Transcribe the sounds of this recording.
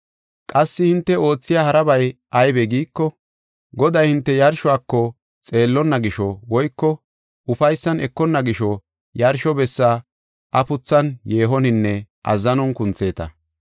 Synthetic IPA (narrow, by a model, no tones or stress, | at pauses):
kʼɐsːɪhɪnt̪ːɛo̞ːt͡sːɪjaːhɐɾɐbɐjʔɐjbɛɡiːkːɔ | ɡɔd̪ɐjhɪnt̪ːɛjɐɾʃɔaːkːɔ | t͡sʼe̞ːlːɔnːɐɡɪʃɔwɔjkːɔ | ʊfɐjsːɐnɛkːɔnːɐɡɪʃɔ | jɐɾʃɔbɛsːa | ʔɐpʊt͡sːɐnje̞ːɦɔnɪnːɛ | ʔɐ̰zɐnɔnkʊnt͡sːe̞ːt̪ɐ̰